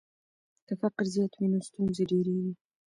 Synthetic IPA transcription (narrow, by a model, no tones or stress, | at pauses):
t̪afaqɪɾzjɑt̪minost̪unzeɖeɾeɡi